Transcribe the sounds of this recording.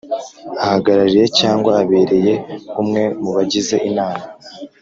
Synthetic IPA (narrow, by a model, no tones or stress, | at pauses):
ahaɡaɾaɾije̞caːŋɡwaːβe̞ːɾe̞je̞kumŋe̞muβaɟize̞ʔinaːma